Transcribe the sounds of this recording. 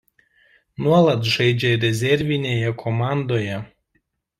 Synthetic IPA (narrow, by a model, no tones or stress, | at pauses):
nuɔlˠɐt̪ʒɐɪd͡ʒʲɛɾʲɛzʲɛɾʲʋʲɪnʲeːjɛkʰɔmɑˑnd̪oːjɛ